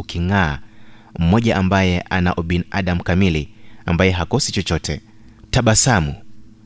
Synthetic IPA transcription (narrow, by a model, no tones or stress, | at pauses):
ukiŋaːm̩mɔʄaʔambajɛʔanaʔɔɓina̰ɗam̩kamiliambajɛɦakɔsit͡ʃɔt͡ʃɔtʰɛ̰ | taɓasamu